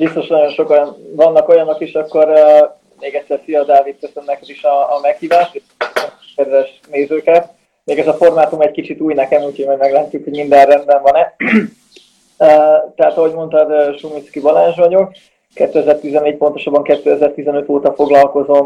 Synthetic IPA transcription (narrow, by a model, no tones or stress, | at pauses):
bist̪o̞ʃnɒɟo̞nʃo̞konvɒnːɒko̞jɒno̞kiʃɒkːo̞rø | meːɡɛct̪sɛrsiɒd̪aːvit̪̚køsønnɛkɛd̪iʃɒːmɛkhiːvaːʃt̪eʃ | kɛd̪ʋɛʃ | neːzøːkɛt̪ | meːɡɛzɒfo̞rmaːt̪umɛckit͡ʃit̪uːjnɛkɛmuːcʰhoɟmɒjmɛɡlaɛt̪ːykho̞ɟmind̪ɛrrɛnd̪bɛɱvɒnɛ | øt̪ɛɦat̪ɒɦoɟmo̞nt̪ɒd̪ʃumiskibɒlaːnʒʋɒɟuk | kɛt̪ːøɛzɛrt̪izɛnːeːc̚po̞nt̪o̞ʃɒbːɒŋkɛt̪ːøɛzɛrt̪izɛnø̞t̪oːt̪ɒfo̞ɡlɒlko̞zo̞m